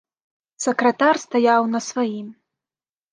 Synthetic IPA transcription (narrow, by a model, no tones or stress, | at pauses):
sɐkɾɐt̪arst̪ajawnɐsvajim